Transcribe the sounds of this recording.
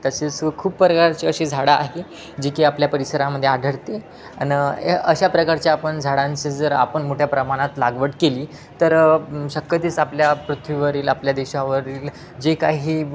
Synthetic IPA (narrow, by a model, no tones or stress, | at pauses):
t̪əseskʰuːppːɾəkaɾt͡ɕeəɕed͡zʱaɽaːɦe | d͡ʑikeapljapəɾisəɾãməd̪ʱːjeadʱəɾt̪e | a̰nəɕapɾəkaɾt͡ɕjaːpəɳd͡zʱaɽãɲt͡sed͡zəɾa̰pəɳmoʈʰjapɾəmaɽ̃at̪laɡʋəʈkeliː | t̪əɾɕəkːət̪iːt͡sapljapɾut̪ʰʋiʋəɾiːlapljad̪eɕaʋəɾiːl | d͡ʑekaɦiː